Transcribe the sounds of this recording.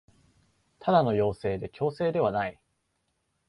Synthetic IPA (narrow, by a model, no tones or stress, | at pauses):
t̪ʰad̪ano̞jo̞ːse̞ːd̪e̞kʲo̞ːse̞ːd̪e̞β̞anai